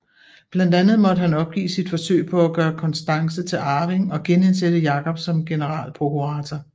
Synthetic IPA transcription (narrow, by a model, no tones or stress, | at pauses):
b̥lænd̥ænð̞̩ˠmɒ̽d̥əɦænɒ̽b̥̚ɡ̥ḭːsid̥fɒ̽sø̰ɪpʰɒ̽æɡ̥ɶːɐkʰɒ̽nsd̥ɑ̈ŋsət͡sʰe̝lɑ̈ːʋeŋɒ̽ɡ̥enensed̥əjɑ̈ːkʰɒ̽b̥sɒ̽mɡ̥e̝nəʁɑ̰̈ːlpʰʁo̝kʰuʁɑ̰̈ːt͡sʰɐ